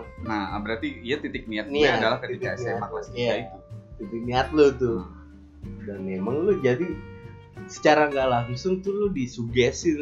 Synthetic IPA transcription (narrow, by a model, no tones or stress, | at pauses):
nabəɾart̪iːjat̪it̪ɪk̚niat̪̚niadalahkətt̪ikaseamaklasaait̪ut̪it̪ɪk̚niat̪̚lʊt̪ʊ | danmemaŋlʊd͡ʒadi | sə̥t͡ʃaɾaŋɡaʔlaɦusʊŋt̪ʊlʊdisuɡɛsɪ